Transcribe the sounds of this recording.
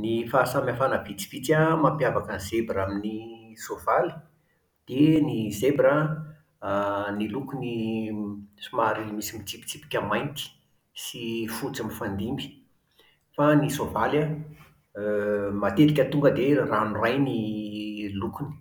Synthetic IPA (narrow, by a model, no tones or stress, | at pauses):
nifasamafanəvit͡si̥v̥it͡samampjavakənz̥ebɾaminisovali̥ | d̪̥enizebɾə | nilukuni | sumaɾimisimit͡sipi̥t͡sipi̥kʲəmajnt̪i̥ | sifut͡samifand̪imbi̥ | fanisovalə | mat̪et̪ikʲət̪uŋɡəd̪eranurajni | lukuni̥